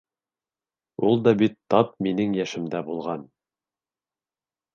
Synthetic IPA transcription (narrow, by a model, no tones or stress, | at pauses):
ulˠd̪ɑbit̪ːɑp̚minɘŋjæʃɘ̆md̪æbulˠʁɑn